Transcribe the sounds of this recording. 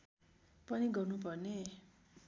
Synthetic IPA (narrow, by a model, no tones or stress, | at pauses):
pʌniɡʌrnupʌrne